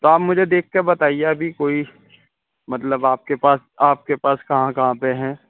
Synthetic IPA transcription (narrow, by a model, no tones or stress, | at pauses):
t̪oaːpmʊd͡ʒʱed̪eːk̚ʰkeɾbɐt̪aːieɐbʱikoːi | mɐt̪ləbaːp̚kepaːs | aːp̚kepaːskɐɦãkɐɦãpeɦɛ̃ː